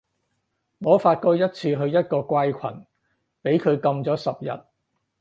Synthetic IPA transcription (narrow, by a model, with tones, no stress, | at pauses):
ŋɔː˨˧faː˧t̚kɔː˧jɐ˥t̚t͡sʰiː˧ɦɵ˧ɥjɐ˥t̚kɔː˧kʷɐ˥jkʷʰɐ̰˨˩n | pe˨˥jkʰɵ˨˧ɥkɐ˧mt͡sɔː˨˥sɐ˨p̚jɐ̰˨˩t̚